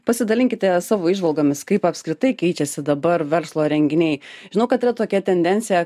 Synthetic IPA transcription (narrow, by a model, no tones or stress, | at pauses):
pɐsʲɪd̪ɐlʲɪŋʲkʲɪt̪ʲɛsɑːʋoːɪʒʋɐlˠɡoːmʲɪskɐɪpɐpʲskɾʲɪt̪ɐɪkʲɛɪt͡ʃʲɛsʲɪd̪ɐbɐrʋʲɛrslˠoːɾʲɛŋʲɡʲɪnʲɛɪʒʒʲɪnɐʊkɐt̪ɪɾɐt̪oːkʲɛt̪ʲɛnʲd̪ʲɛnʲtsʲɪjɛ